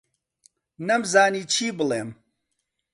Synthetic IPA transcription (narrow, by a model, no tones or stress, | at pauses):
nɐmzaːniːt͡ʃʰiːbɨlˠeːm